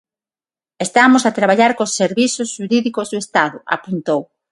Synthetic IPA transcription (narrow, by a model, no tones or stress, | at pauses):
est̪amosat̪ɾaβaʎaɾkosːeɾβiθʊsʃuɾiðikozðʊest̪aðʊʔa̰punt̪ow